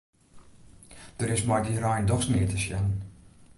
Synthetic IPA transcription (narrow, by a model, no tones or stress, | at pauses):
d̥əɾɪsmɔjdirajndɔxsnɪətəsjannn